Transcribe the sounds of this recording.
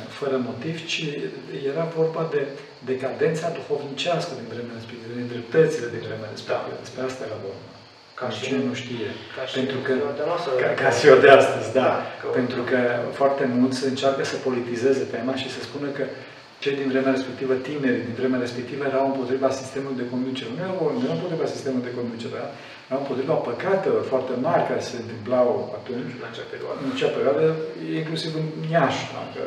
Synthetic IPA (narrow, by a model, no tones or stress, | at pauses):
fəɾəmo̞t̪ivt͡ʃi | je̞ɾavo̞rbad̪e̞ | d̪e̞kad̪e̞nt̪sad̪uxo̞vnit͡ʃaskəd̪invɾe̞meaɾespekt̪ivəd̪ind̪ɾe̞p̚t̪ət̪sile̞d̪invɾe̞meaɾespet̪iəd̪e̞spɾeast̪ajeɾavorna | kat͡ʃinenuʃt̪ije̞pe̞nt̪ɾukə | kaʃiod̪east̪əzʲd̪ape̞nt̪ɾukəfoart̪e̞mult̪sʲsəɨnt͡ʃarkəsəpo̞lit̪ize̞ze̞t̪emaʃisəspunəkə | t͡ʃe̞jd̪invɾe̞meaɾe̞spe̞kt̪ivət̪ine̞ɾid̪invɾemeaɾe̞spe̞k̚t̪ivəjeɾawɨmpo̞t̪ɾivasi̥st̪e̞mulujd̪e̞ko̞nd̪ut͡ʃe̞ɾeunejeaneɾaɨmp̬ot̪ɾivasist̪e̞mulujd̪e̞ko̞nd̪ut͡ʃeɾea | jeɾawɨmpo̞t̪ɾivapəkat̪elo̞rfoart̪e̞maɾʲkaɾe̞se̞ɨnt̪ɨmplawa̰t̪unt͡ʃʲɨnat͡ʃeapeɾia̰d̪əɨnat͡ʃejapeɾjoad̪əjeiŋklusivɨnjaʃa̰kə